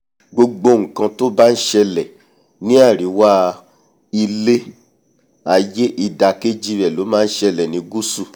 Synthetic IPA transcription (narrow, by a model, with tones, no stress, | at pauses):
ɡ͡bo˧ɡ͡bo˧ŋ̩˨kã˧to˦ba˦n̩˦ʃɛ˧lɛ˨ | nĩ˦a˦˨ɾi˨˦wa˦ | i˧le˦ | a˨je˦ʔi˧da˧ke˦d͡ʒi˦ɾɛ˨lo˨˦mãː˦n̩˦ʃɛ˧lɛ˨nĩ˨˧ɡu˦su˦˨